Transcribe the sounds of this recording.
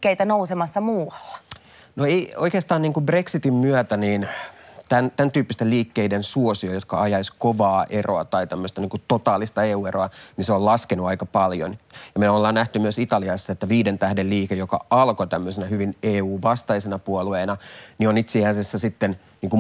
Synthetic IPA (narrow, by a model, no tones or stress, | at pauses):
kːeit̪ænousemɑsːɑmuːɑlːɑ̥ | noeioikest̪ɑːniːŋkubre̞ksit̪immyæt̪æniːnt̪ænt̪ænt̪yːpːist̪eliːkːeidensuosiojot̪kɑ̰ɑjɑiskoʋɑːʔeroɑ̰t̪ɑit̪æmːøst̪ɑniːŋkut̪ot̪ɑːlist̪ɑeːuːeɾoɑniseolɑskenuɑikɑpɑljo̰njɑmelolːɑːnnæht̪ymyøsit̪ɑliɑsːɑet̪ːæʋiːdent̪æhdelliːkejokɑ̰ɑlkot̪æmːøsenæhyʋineːuːʋɑst̪ɑisenɑpuolueːnɑnionit̪seæsesːæsit̪ːen | niːŋku